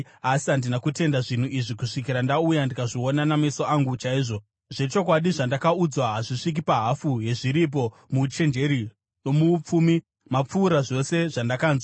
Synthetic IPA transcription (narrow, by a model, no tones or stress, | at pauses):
asiɦandinakute̞ndaʐin̤uʔiʐikuʂikiɾandaujandikaʐio̞nanamesoaŋɡut͡ʃaiːʐo̞ | ʐe̞t͡ʃo̞k̬waɗiʐandakaud͡zwaɦaʐiʂik̬ipaɦafuɦe̞ʐiɾip̬o̞ | mut͡ʃe̞nd͡ʒe̞ɾi | no̞muːp͡fuːmi | map͡fuːɾaʐo̞se̞ʐandakaːnzwaa